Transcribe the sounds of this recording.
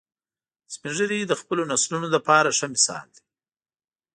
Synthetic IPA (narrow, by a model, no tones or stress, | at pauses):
spinʐəɾid̪əxpəlonaslunolapɑɾaʂəmɪsɑ̰ːld̪i̥